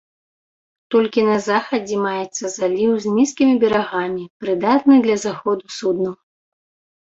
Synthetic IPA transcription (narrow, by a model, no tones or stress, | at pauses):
t̪ɔlʲkʲinɐzaxɐd͡zʲɛmajɛt̪sːɐzalʲiwzʲnʲiskʲimʲibʲɛɾaɣamʲipɾɨd̪at̪nɨd̪lʲɐzaxɔd̪usud̪nɐw